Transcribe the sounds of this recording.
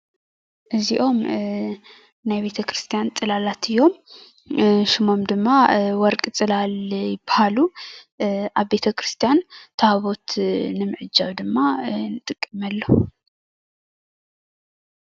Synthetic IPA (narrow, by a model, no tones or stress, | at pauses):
ʔɨziʔo̞m | najbe̞t̪ʰɐkʰɾɨst̪ʰijant͡s̪ʼɨlalat̪ʰɨjːo̞m | ʃɪmo̞md̪ɨmːawɔɾkʼɨt͡sʼɨlaljɪbahalu | ʔaβbe̞t̪ʰɐkɾɨst̪ʰijant̪ʰɐhaβo̞t̪nɨmɨʕɨd͡ʒːaβd̪ɨmːanɨt̪ʼɨkʼːɨmɐlːo